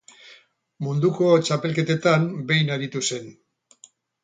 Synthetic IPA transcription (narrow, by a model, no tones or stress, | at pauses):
mund̪uko̞t͡ʃape̞lke̞t̪e̞t̪ambe̞jnaɾit̪use̞n